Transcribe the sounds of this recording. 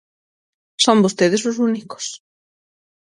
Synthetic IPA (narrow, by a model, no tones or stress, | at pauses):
sõmbost̪eðɪsosuniko̥s